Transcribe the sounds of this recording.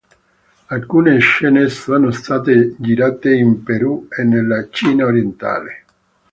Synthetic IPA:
alkuːneʃːɛːnesɔːnost̪aːt̪ed͡ʒiɾaːt̪eimpeɾuenːelːat͡ʃiːnaoɾjɛnt̪a̰ːle

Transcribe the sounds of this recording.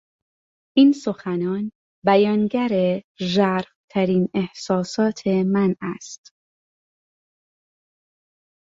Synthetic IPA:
ʔiːnso̞xænɒːn | bæjɒːnɟæɾeʒæɾft̪ʰæɾiːnehsɒːsɒːt̪ʰe̞mænæst̪

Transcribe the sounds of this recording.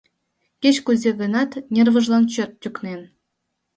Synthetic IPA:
kʲet͡ɕkuzʲeɡɤ̆nɑt̪nʲervɤ̆ʐlˠɑnt͡ɕøt̪̚ːʲyknʲen

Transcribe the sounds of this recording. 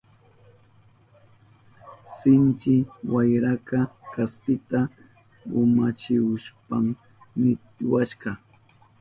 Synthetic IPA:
sɪnt͡ʃɪwajɾakɑkaspɪt̪a | ʊ̰mat͡ʃɪwʊʃpam | nɪt̪ɪwaʃɢɑ

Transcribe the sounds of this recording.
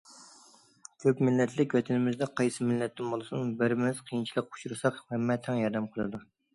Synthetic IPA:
kʲʰøpmɪlːɛt̪ʰlɪkʲwɛt̪ʰɪnɪmɪzd̪ɛqʰɑjsɨmɪlːɛt̪ːɪnbolˠɨsunbɪɾɪmɪz̥qʰijint͡ʃʰilˠəqu̥ʃuɾɨsɑqhɛmːɛt̪ʰɛŋjɑɾd̪ɛmqʰəlˠɨd̪u

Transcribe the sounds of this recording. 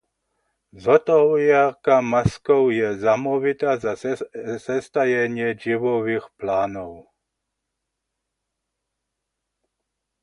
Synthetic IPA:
zɔt̪ɔɦjarkamaskɔwjɛzamɔʋit̪azasɛst̪ajɛɲɪɛd͡ʒiʋɔʋiːxplaːnɔw

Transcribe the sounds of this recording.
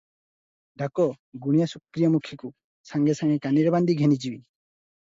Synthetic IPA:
ɖakɔ | ɡuɽ̃ijasukɾijɔmukʰiku | saŋɡɛsaŋɡɛkaniɾɛband̪iɡʱɛnid͡ʒibi

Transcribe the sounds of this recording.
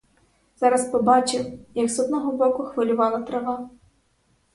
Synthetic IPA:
z̥ɑɾɐspɔbɑt͡ʃɪwjɐksɔd̪nɔɦɔbɔkʊxʋɐlʲʊʋɑlˠɐt̪ɾɐʋɑ

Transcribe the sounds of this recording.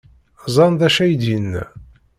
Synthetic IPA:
zˤɑndðæʃæjd̪inː

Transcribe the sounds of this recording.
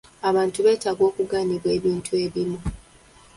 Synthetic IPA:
aβaːntuβe̞ːtaɡwo̞ːkuɡaːniβwe̞ːβiːntʰue̞βimu

